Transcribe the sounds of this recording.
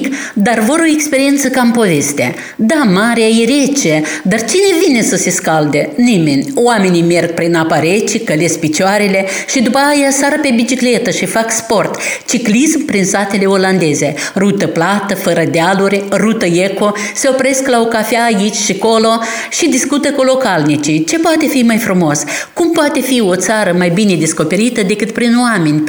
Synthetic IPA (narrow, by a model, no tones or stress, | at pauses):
k | d̪arvo̞ɾo̞ekspeɾient̪səkampo̞ve̞st̪ea̰ | d̪amaɾeaiɾet͡ʃed̪art͡ʃine̞vine̞səse̞skald̪enimenʲowame̞nime̞rɡ̚pɾinapaɾet͡ʃikəlespit͡ʃaɾe̞le̞ | ʃid̪upəajasaɾəpe̞bit͡ʃikle̞t̪əʃifakspo̞rt̪t͡ʃiklismpɾinsat̪e̞le̞o̞land̪e̞ze̞ | rut̪əplat̪əfəɾəd̪ealuɾʲerut̪əeko̞ | se̞o̞pɾe̞sklaokafeaːit͡ʃʲʃiko̞lo̞ | ʃid̪iskut̪əkolo̞kalnit͡ʃit͡ʃe̞poat̪e̞fimajfɾumo̞s | kumpat̪e̞fio̞t̪saɾəmajbine̞d̪e̞sko̞pe̞ɾit̪əd̪e̞kɨt̪̚pɾinoame̞nʲ